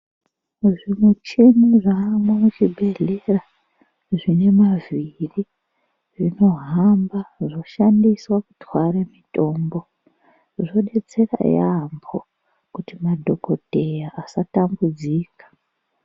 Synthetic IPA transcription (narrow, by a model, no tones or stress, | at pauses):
ʐimwet͡ʃimiʐamwamut͡ʃibʱe̞ɮera | ʐine̞maviri | ʐino̞ɦambaʐo̞ʃandiswaku̥twaɾemito̞ːmbo̞ | ʐoɗe̞t͡se̞ra̰jambʰo | kutimadʱo̞ko̞dʱe̞jaʔːsatambud͡ziːkḁ